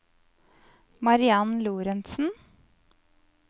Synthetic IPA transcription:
mɑɾɪɑnluːɾɛnsn̩

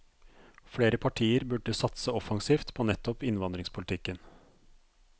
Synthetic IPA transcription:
fɽeːɾəpʰɑʈʰiːəɾbʉɖəsɑt̪səɔfɑŋsiːft̪pʰoːnɛt̪ːɔpɪnʋɑnd̪ɾɪŋspʰʊlɪt̪ʰɪkːən

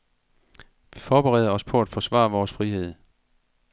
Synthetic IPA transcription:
ʋifɒːb̥eʁɛ̰ðˠɐɒ̽spʰɒ̽æd̥fɒ̽sʋɑ̰̈ːʋɒːsfʁihe̝ð̞̰ˠ

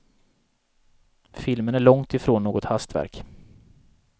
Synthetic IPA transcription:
fɪlmənæɭɔŋt̪ɪfɾoːnːoːɡɔt̪hast̪væ̰ɾk

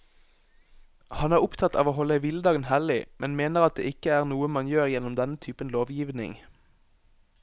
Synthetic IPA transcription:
hɑnæːʁʊpt̪ʰɑt̪ʰːɑ̰ːʋoːɦhɔləʋɪləd̪ɑːɡənhæːlɪmʔɛnmeːnəʁɑt̪̚d̪ḛːʔɪkəæːʁnuːəmɑnjøːʁjɛnɔmd̪ɛnət̪ʰyːpənloːʋjiːʋnɪ̰ŋ

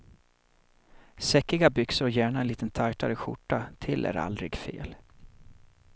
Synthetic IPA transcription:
sɛkːɪɡabʏksəɾɔjæːɳaɛnliːt̪ənt̪ʰajt̪ʰaɾəɧʊ̰ʈːat̪ʰɪlːʔæ̰ɾa̰ld̪ɾɪɡfḛːl

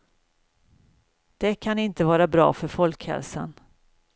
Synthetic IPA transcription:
d̪̥ɛkʰanɪnt̪əvɑːɾabɾɑ̰ːfœɾfɔlkhɛ̰lsə̰n

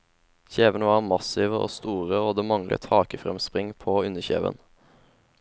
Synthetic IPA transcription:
çeːʋənəʋɑːʁmɑsɪʋəʔo̰ːst̪uːʁəoːd̪eːmɑŋlʔə̰t̪hɑːkəfʁɛmspʁɪŋpʰoːʉnəçḛːʋə̰n

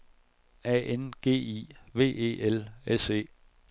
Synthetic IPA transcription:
ɛ̰ːenɡ̥e̝̰ːḭʋe̝̰ːe̝̰ːʔelese̝̰ː

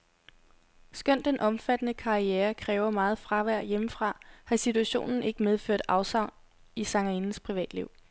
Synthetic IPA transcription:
sɡ̥œn̰d̥enʔɒ̽mfæd̥ənəkʰɑ̈ieːɐkʰʁɛːʊɐmɑ̈ːð̞̩ˠfʁɑ̈ʋæɐ̰jeməfʁɑ̈hɑ̈sit͡sʰuæɕo̝̰ːnn̩e̝ɡ̥əmeð̞ˠfø̰ɐ̰d̥ɑ̈ʊsɑ̈ʊ̰n | isɑ̈ŋæinn̩spʰʁiʋɛ̰ːd̥liʊ̰

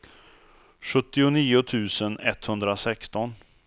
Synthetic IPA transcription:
ɧɵt̪ːɪʊniːʊt̪ʰʉ̟ːsənɛt̪ːhɵnd̪ɾasɛkst̪ɔn

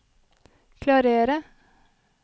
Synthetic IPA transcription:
kʰlɑːɾeːɾə

